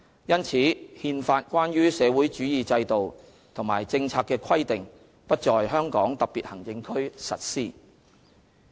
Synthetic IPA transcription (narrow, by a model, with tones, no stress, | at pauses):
jɐ˥nt͡sʰiː˨˥hiː˧nfaː˧t̚kʷaː˥nɥyː˥sɛː˨˧wuː˨˥jt͡ʃyː˨˥jiː˨t͡sɐ˧jt̪o˨w | t̪ʰʊ˨˩ŋmaː˨˩jt͡sɪ˧ŋt͡sʰaː˧kːɛː˧kʰɐ˥jt̪ɪ˨ŋ | pɐ˥t̚t͡ʃɔː˨jɦœː˥ŋkɔː˨˥ŋt̪ɐ˨˩k̚piː˨˩t̚hɐ˨˩ŋt͡sɪ˧ŋkʰɵ˥ɥsɐ̰˨t̚siː˥